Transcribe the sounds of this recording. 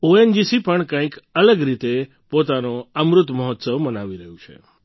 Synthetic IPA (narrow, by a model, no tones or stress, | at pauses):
oend͡ʒisipəɳkãĩkələɡɾit̪e | pot̪anoəmɾʊt̪məɦɔt̪səʋmənaʋiɾəɦjũt͡ʃʰḛ